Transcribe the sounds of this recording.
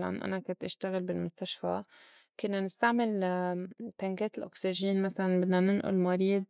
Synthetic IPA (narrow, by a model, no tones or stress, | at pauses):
la̰nʔa̰nakʊnt̪ʔaʃt̪aɣɪlbɪlmʊst̪aʃfa | kʊnːanɪst̪aʕmɪl | t̪aŋkeːt̪ɪlʔʊksiʒiːnmasalanbɪd̪nanɪnʔʊ̰lmaɾiːd̪̚